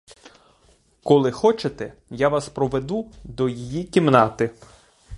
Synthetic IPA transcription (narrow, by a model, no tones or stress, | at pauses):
kɔlˠɪxɔt͡ʃet̪ɛjaʋɑspɾɔʋed̪ud̪ɔjijikʲimnɑt̪ɪ